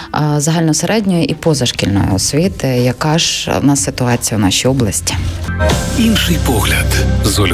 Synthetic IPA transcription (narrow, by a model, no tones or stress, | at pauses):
zɐɦɑlʲnɔseɾʔɛdʲnʲɔjɔʔipɔzɐʃkʲilʲnɔ̰jɔ̰ɔsʲʋʲit̪ɪjɐkɑʒnɑsɪt̪ʊɑt͡sʲijɐwnɑʃʲijɔblˠɐsʲtʲi̥ | inʃɪjpɔɦlʲɐd̪zɔlʲ